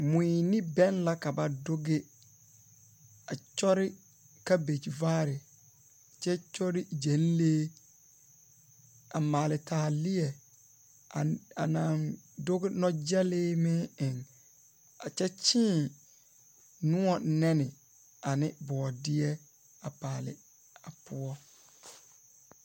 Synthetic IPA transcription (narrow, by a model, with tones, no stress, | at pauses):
mũ˨i˨nĩ˦bɛ̃˦nla˦ka˨ba˨do˦ɡɪ˦ | a˨t͡ʃɔ˦ɾɪ˦ | ka˦be˨t͡ʃi˨vaː˦ɾɪ˨ | t͡ʃɛ˦t͡ʃɔ˦ɾɪ˦d͡ʒɛ̃˨˦n˦leː˦ | a̰˨maː˨lɪ˨tʰaː˨lɪ˦ɛ˨ | a˨a̰˨nã˨ndo˦ɡɪ˦nɔ˦d͡ʒa˦lɪː˦mɪ̃˦ɪ̃˨ŋ | a˨t͡ʃɛ˦t͡ʃʰĩ˦˨ | nũ˦ɔ˨nɛ̃˦nɪ̃˨ | a˨nɪ̃˦bɔː˨dɪ˦ɛ˦ | a˨paː˨lɪ̰˨ | a˨pʰʊ˦ɔ˦